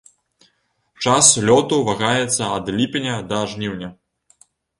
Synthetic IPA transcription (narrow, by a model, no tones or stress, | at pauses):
t͡ʂaslʲɔt̪uvaɣajɛt̪sːɐɐd̪lʲipʲinʲɐd̪ɐʐnʲiwnʲɐ